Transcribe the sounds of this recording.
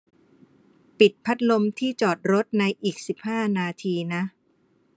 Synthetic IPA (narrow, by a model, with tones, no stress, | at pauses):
pi˨˩t̪̚pʰa˦˥t̪̚lo˧mt̪ʰiː˥˩t͡ɕɔː˨˩t̪̚ɾo˦˥t̪̚na˧jʔiː˨˩k̚si˨˩p̚haː˥˩naː˧t̪ʰiː˧na˦˥